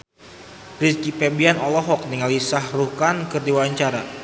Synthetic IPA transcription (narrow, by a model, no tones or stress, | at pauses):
ɾiskipɛbianɔlɔɦɔk̚niŋalisahrukankɨrdiwawaɲt͡ʃaɾa